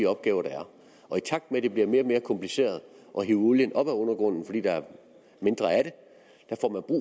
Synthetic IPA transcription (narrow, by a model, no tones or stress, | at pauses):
ɒ̽b̥̚ɡ̥ɛːʊɐɾ̥ɑ̈æɐ | ʔɒ̽it͡sʰɑ̈ɡ̥̚d̥meɾ̥e̝b̥liɐme̝ːɐme̝ːɐkʰɒ̽mpʰlise̝̰ːɐð̞̩ˠ | ʔɒ̽ɦiʊuljənɒ̽b̥æɔ̽nɐɡ̥ʁɔ̽n̰n̩fɒd̥ḭːd̥ɑ̈æɐ | me̝nd̥ʁɐæɾe̝ | d̥æfɒ̰ːmænb̥ʁṵː